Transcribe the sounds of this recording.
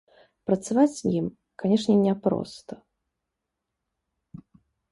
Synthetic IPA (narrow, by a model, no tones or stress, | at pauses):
pɾɐt̪savat͡sʲim | kanʲɛʂnʲɛnʲɛpɾɔ̰st̪ɐ